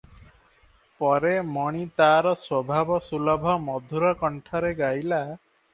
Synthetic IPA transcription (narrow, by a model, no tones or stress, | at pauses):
pɔɾemɔɽ̃it̪aɾɔswɔbʱabɔsulɔbʱɔmɔd̪ʱuɾɔkɔɳʈʰɔɾeɡajla